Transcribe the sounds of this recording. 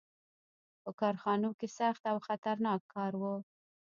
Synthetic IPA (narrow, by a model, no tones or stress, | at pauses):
pəkɑɾxɑnokesaxt̪awxat̪aɾnɑkʰːɑɾwə